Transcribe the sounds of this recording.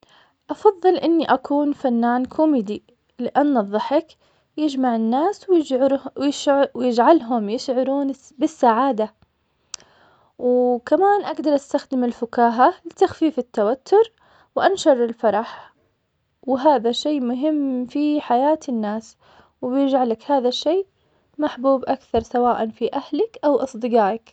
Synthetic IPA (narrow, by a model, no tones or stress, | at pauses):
ʔɑfɑðˤːɨlʔɪnːiʔakuːnfanːaːnkʰʊmiːd̪i | lɪʔanːðˤːɑħɪk | jɪd͡ʒmaʕɪnːaːswjɪɾjɪwjɪd͡ʒʕalɦʊmjɪʃʕʊɾuːn | bɪsːaʕaːd̪a | wkamaːnʔaɡd̪ɑɾˤʔast̪axd̪ɪmɪlfʊkaːɦalɪt̪axfiːfɪt̪ːawat̪ʰːʊɾ | wʔanʃɑɾˤɪlfɑɾˤɑħ | wɪɦaːðaʃeːmʊɦɪmːfiħajaːt̪ɪnːaːs | wɪbjɪd͡ʒʕalakhaːðaʃːeː | maħbuːbʔakθɑɾˤsawaːʔanfiʔahlɪkʔawʔɑsˤd̪ɨɡɑːʔɪk